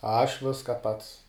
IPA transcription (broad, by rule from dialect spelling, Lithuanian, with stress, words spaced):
ˈɐʃ ˈʋʲɪskɐ ˈpɐts